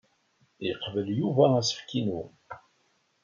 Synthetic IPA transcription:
əqːvəljuvææsə̥fkinu

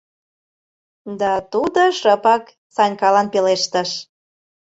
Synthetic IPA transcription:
d̪ɑt̪ud̪oʃəpɑk | sɑnʲkɑlɑnpeleʃt̪ə̆ʃ

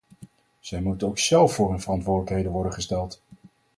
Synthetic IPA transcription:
z̥ɛjmutowksɛlˠfʊːɹɦynvərɑntʋʊːɹdələkɦejdənʋɔɹdənχəstɛlˠt

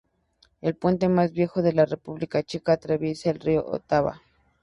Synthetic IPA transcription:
elpwe̞nt̪e̞mazβje̞xoðelarepuβlikat͡ʃekat̪ɾeβjesaelrio̰ʔo̰t̪aβa̰

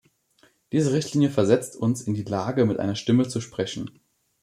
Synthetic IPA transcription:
d̥iːzəʁɪçtʰliːnjəfɛɐzɛt͡stʰʊnsɪndiːlaːɡəmɪtʔa̰ɪnɐʃtɪmət͡suʃpʁ̥ɛçn̩

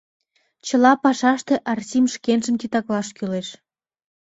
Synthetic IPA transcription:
t͡ɕə̆lɑpɑʃɑʃt̪eʔɑrtʲimʃkenʒə̆mt̪it̪ɑklɑʃkyleʃ

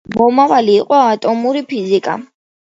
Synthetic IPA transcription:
bɔmavaliːqʼwaːt̪ʼɔmuɾipʰizikʼa̰

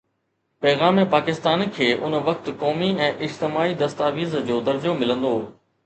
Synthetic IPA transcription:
pɛːɣaːmẽpaːkɪst̪aːnkʰeːʔʊnʋɐkt̪kɔːmiɛ̃ːʔɪd͡ʑt̪ɪmaːid̪ɐst̪aːʋiːzd͡ʑoːd̪ɐɾd͡ʑomɪlə̃nd̪oː

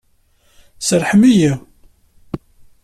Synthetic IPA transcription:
səɾħəmiji

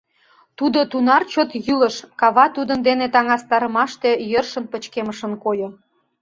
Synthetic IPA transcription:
t̪ud̪ot̪unɑrt͡ɕot̪jyləʃkɑβɑt̪ud̪ənd̪enet̪ɑŋɑst̪ɑɾəmɑʃt̪e̽jərʃənpət͡ɕkeməʃə̆nkojo

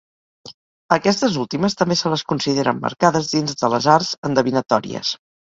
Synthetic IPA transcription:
əkɛst̪əzulˠt̪iməst̪əmbesələskunsiðeɾəmːə̰ɾkaðəzðinzðələzarzənd̪əβinət̪ɔɾḭə̰s

